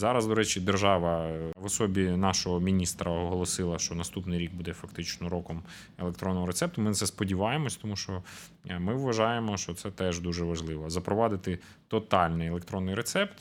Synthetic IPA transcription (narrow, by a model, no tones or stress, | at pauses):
zɑɾɐzd̪ɔɾɛt͡ʃid̪erʒɑʋɐʋɔsɔbʲinɑʃɔɦɔmʲinʲist̪ɾɐɔɦɦɔlˠɔsɪlˠɐʃt͡ʃɔnɐst̪upnɪjɾʲiɡ̚bud̪ɛfɐkt̪ɪt͡ʃnɔɾɔkɔm | elˠekt̪ɾɔnːɔɦɔɾet̪sɛp̚t̪ʊmɪnɐt̪sɛspɔdʲiʋɑjemɔsʲt̪ɔmuʃt͡ʃɔmɪʋʋɐʒɑjemɔʃt͡ʃɔt̪sɛt̪ɛʒd̪uʒɛʋɐʒlˠɪʋɔzɐpɾɔʋɑd̪ɪt̪ɪ | t̪ɔt̪ɑlʲnɪjelˠekt̪ɾɔnːɪjɾet̪sɛpt̪